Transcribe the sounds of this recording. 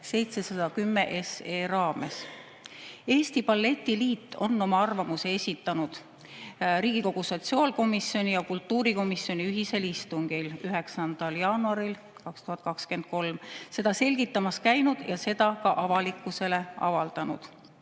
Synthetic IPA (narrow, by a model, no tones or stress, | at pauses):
se̞jt̪se̞sɑd̪̥ɑkymːe̞ʔeseːrɑːme̞̰s | e̞ːst̪ipɑlːe̞t̪ʲːiliːt̪ːˑo̞̰nːo̞mɑɑrvɑmusee̞sʲit̪ːˑɑnud̪̥ | riːɡ̥iko̞ɡ̥uso̞t̪siɑːlko̞misjo̞nʲijɑkult̪ːˑuːɾiko̞misjo̞nʲiyɦise̞list̪uŋɡilyɦe̞ksɑnd̪̥ɑljɑːnuɑɾil | kɑkst̪uhɑt̪̚ˑkɑkske̞nt̪̚ko̞lmse̞d̪̥ɑse̞lʲɡ̥it̪ːˑɑmɑskæjnud̪̥jɑse̞d̪̥ɑkɑʔɑvɑlikːˑuse̞le̞ʔɑ̰vɑld̪̥ɑnṵd̪̥